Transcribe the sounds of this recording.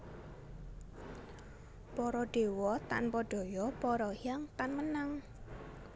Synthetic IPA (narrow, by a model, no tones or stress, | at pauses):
pɔɾɔɖ̥e̤wɔt̪a̰npɔɖ̥ɔ̤jɔpɔɾɔjaŋt̪anmənaŋ